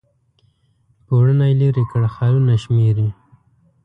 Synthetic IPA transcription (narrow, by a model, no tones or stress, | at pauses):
poɽənajliɾikəɽxaɾunaʃmeɾi